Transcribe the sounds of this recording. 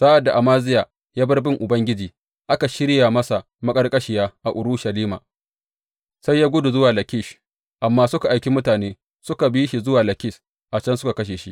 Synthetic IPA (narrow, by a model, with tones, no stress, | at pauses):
saː˦ʔa˨dːa˨ʔa˨maː˦zɪ˦jaː˨ | jaː˦bɐ˦rbɪ˦ŋʔʊ˨bɐ˦ŋɡʲɪ˦d͡ʒiː˨ | ʔa˦ka˨ʃɪ˦ɾja˨mɐ˦sa˨ | mɐ˦kʼɐ˦rkʼɐ˦ʃɪ˨jaː˦ʔa˨ʔʊ˨ɾʊ˦ʃɐ˨liː˦ma̰ː˨ | sa˦jːaː˦ɡʷʊ˦du˨zʊ˦waː˨lɐ˨kʲɪ˦ʃ | ʔa˨mːaː˦sʊ˦ka˨ʔa˨jkʲi˦mʊ˦taː˨neː˦ | sʊ˦ka˨biː˦ʃi˨zʊ˦waː˨lɐ˨kʲɪ˦s | ʔa˨t͡ʃɐ˦nsʊ̥˦ka˨kɐ˦ʃ̬eː˨ʃḭ˦ʔ